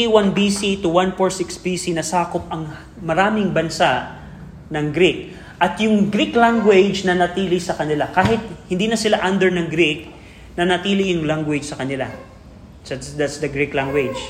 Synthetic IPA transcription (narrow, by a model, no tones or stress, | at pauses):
wanbisit̪ʊwanfoɹsɪksbisinɐsaːkop̚ɐŋ | mɐɾaːmɪŋbɐnsaʔ | nɐŋɡɾik̚ | ʔɐt̪jʊŋɡɾiklaŋɡwɛd͡ʒnɐnɐt̪iːlɪsɐkɐnɪlakaːɦɪt̪̚hɪnd̪inɐsɪlaʔand̪ɛɹnɐŋɡɾik̚ | nɐnɐt̪iːlɪjʊŋlaŋɡwɪd͡ʒsɐkɐnɪla̰ | sɐd̪at̪sd̪ɐɡɾiklaŋɡwɛd͡ʒ